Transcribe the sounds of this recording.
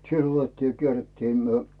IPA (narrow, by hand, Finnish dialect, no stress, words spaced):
silː otetːiː jɑ kierːetːiː myø